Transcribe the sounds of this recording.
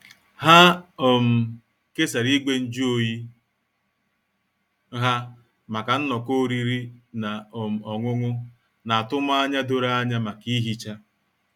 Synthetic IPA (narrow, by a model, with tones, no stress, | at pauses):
ha˦o˨m̩˨ | ke˦sa˨ɾi˦ɡ͡be˦n̩˦d͡ʒo˨ji˦ | ɦa˦ | ma˨ka˨n̩˦nɔ˨ko˦ɾi˦ɾi˦na˨o˨m̩˨ɔ˨ŋʷʊ˦ŋʊ˦ | na˨a˨tʊ˦ma˦a˦ɲa˦do˦ɾa˦a˦ɲa˦ma˨ki˦ɦi˦t͡ʃa˦